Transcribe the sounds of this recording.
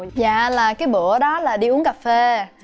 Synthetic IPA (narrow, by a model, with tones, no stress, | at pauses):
za̰ː˧˨laː˨˩kaː˨˦jɓṵ˧˩˨əɗɔ˨˦laː˨˩ɗi˧ʔu˨˦ənkaː˨˩fe˧